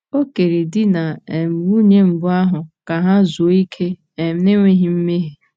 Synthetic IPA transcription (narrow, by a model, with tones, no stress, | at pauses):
o˦ke˨ɾe˨dɪ˦na˨e˨m̩˨ɾu˦ɲe˦m̩˨bʊ˦a˦ɦʊ˨ka˨ɦa˦zo˨˦i˦kʰe˦ | e˨m̩˦ne˦ŋʷe˦ɦɪ˨m̩˦me˦ɦe˨